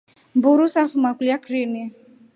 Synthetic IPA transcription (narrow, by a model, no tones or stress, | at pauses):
buɾusafumakliakɾini